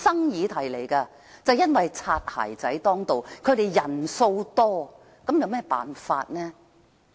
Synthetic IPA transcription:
sɐ˥ŋjiː˨˧t̪ʰɐ˨˩jle˨˩jkɐː˧ | t͡sɐ˨wjɐ˥nwɐ˨jt͡sʰaː˧t̚ha̰ː˨˩jt͡sɐ˨˥jt̪ɔː˥ŋt̪o˨wkʰɵ˨˧ɥɾe˨jjɐ˨˩nso˧wt̪ɔː˥ | kɐ˨˥mjɐ˨˧wmɛː˥˩pa̰ː˨nfaː˧t̚nɛː˥

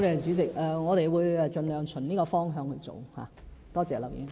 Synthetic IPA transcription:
t̪e˨jt͡ʃyː˨˧˥t͡sɪ˨k̚ɛ˨˧ŋɔː˨˧ɾe˨jwuː˨˧jɛ˧t͡ʃɵ˧nlœː˨˧ŋt͡sʰɵ˨˩nniː˥kɔː˧fɔː˥ŋɦœː˨˧ŋhɵ˧t͡so̰˨wha̰ː˨t̪ɔː˥t͡sɛː˨lɐ˨˩wjiː˨˥

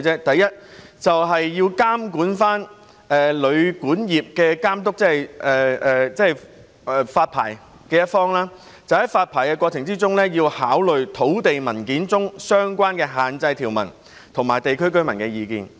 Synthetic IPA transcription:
t͡sɛː˥t̪ɐ˨jːɐ˥t̚t͡sɐ˨wɦɐ˨jːiː˧wkaː˥mkuː˨˥nfaː˥n | ɛː˨lɵ˨˧ɥkuː˨˥njiː˨p̚kɛː˧kaː˥mt̪ʊ˥k̚t͡sɛ˥ɐ˨˩jɛː˨˩ɛː˨˧t͡sɛː˥˨˩j | ɛ˨˧faː˧t̚pʰa̰ː˨˩j | kɛː˧jɐ˥t̚fɔː˥ŋlaː˥ | t͡sɐ˨˩whɐ˨˥jfaː˧t̚pʰaː˨˩jkɛ˧kʷwɔː˧t͡sʰɪ˨˩ŋt͡siː˥t͡sʊ˥ŋlɛː˥jiː˧whaː˨˥wlɵ˨ɥt̪ʰo˨˥wt̪e˨jmɐ˨˩nkiː˨˥nt͡sʊ˥ŋsœː˥ŋkʷaː˥nkɛː˧ɦaː˨nt͡sɐ˧jt̪ʰiː˨˩wmɐ̰˨˩n | t̪ʰʊ˨˩ŋmaː˨˩jt̪e˨jkʰɵ˥ɥkɵ˥ɥmɐ˨˩nkɛː˧jiː˨˧kḭː˨˧n

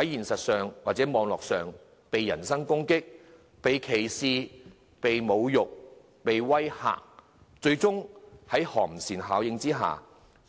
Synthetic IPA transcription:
hɐ˨˥jjiː˨˩nsɐ˨t̚sœː˨ŋwaː˨t̚t͡sɛː˨˥mɔː˨˧ŋlɔː˨k̚sœː˨ŋ | pe˨jːɐ̰˨˩nsɐ˥ŋkʊ˥ŋkɪ˥k̚ | pe˨jkʰe˨˩jsiː˧ | pe˨jmo˨˧wjʊ˨k̚ | pe˨jwɐ˥jha̰ː˨k̚ | t͡ʃɵ˧ɥt͡sʊ˥ŋhɐ˨˥jhɔ̰ː˨˩ŋ̚m̩˨˩siː˨˩nɦaː˨˥wjɪ˧ŋt͡siː˥ɦa̰ː˨

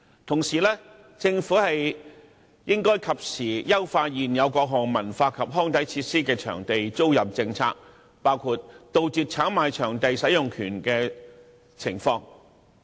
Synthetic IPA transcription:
t̪ʰʊ˨˩ŋsiː˨˩lɛː˥ | t͡sɪ˧ŋfuː˨˥hɐ˨j | jɪ˥ŋkɔː˥jkʰɐ˨p̚siː˨˩jɐ˥wfaː˧t̚jiː˨njɐ˨˧wkɔː˧k̚ɦʊ˨˩ŋmɐ˨˩nfaː˧kʰɐ˨p̚ɦɔː˥ŋt̪ɐ˨˥jt͡sʰiː˧t̚siː˥kɛː˧t͡ʃʰœ̰ː˨˩ŋt̪e˨jt͡so˥wjɐ˨p̚t͡sɪ˧ŋt͡sʰa̰ː˧k̚ | paː˥wkʰuː˧t̚t̪o˨wt͡syː˨t̚t͡sʰaː˨˥ŋmaː˨˧jt͡ʃʰœː˨˩ŋt̪e˨jsɐ˨˥jʊ˨ŋkʰyː˨˩nkɛː˧ | t͡sʰɪ̰˨˩ŋfɔː˧ŋ

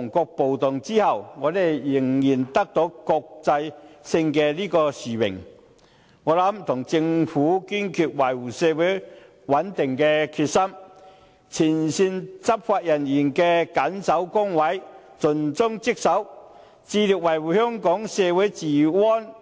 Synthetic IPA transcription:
ŋkɔː˧k̚po˨wt̪ʊ˨ŋt͡si˥hɐ˨˩wŋɔː˨˧d̪e˨jːɪ˨˩ŋjiː˨˩nt̪ɐ˥k̚t̪o˨˥wkɔː˧k̚t͡sɐ˧jsɪ˧ŋkɛ˧liː˥kɔː˧siː˨˩mɪ̰˨˩ŋ | ŋɔː˨˧lɐ˨˥mt̪ʰʊ˨˩ŋt͡sɪ˧ŋfuː˨˥ki˥nkʰy˧t̚wɐ˨˩jwuː˨˩sɛː˧wu˨˥j | wɐ˨˥nt̪ɪ˨˩ŋkɛ˧kʰyː˧t̚sɐ˥m | t͡sʰiː˨˩nsi˧nt͡sɐ˥p̚faː˧t̚jɐ˨˩njiː˨˩nkɛ˧kɐ˨˥nsɐ˨˥wkʊ˥ŋwɐ˨˥j | t͡sɵ˨˩nt͡sʊ˥ŋt͡sɪ˥k̚sɐ˨˥w | t͡siː˧li˨k̚wɐ˨˩jwuː˨˩hœː˥ŋkɔː˨˥ŋsɛː˧wu˨˥jt͡siː˨˩wɔː˥n

